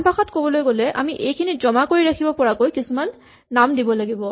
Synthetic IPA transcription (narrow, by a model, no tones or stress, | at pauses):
mpaxɔtkobɔlojɡolɛʔa̰miʔejkʰinizɔmakoɹiɹakʰibɔpɔɹakojkisumanː | amdibɔlaɡibɔ